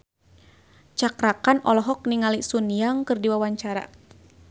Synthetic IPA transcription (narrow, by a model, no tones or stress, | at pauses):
t͡ʃakɾakanɔlɔɦɔk̚niŋalisunijaŋkɨrdiwawaɲt͡ʃaɾa̰